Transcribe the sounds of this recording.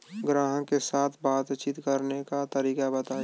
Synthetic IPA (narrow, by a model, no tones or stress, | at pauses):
ɡɾaːɦə̃kesaːt̪ʰbaːt̪t͡ʃit̪kəɾnekat̪əɾiːkabət̪aː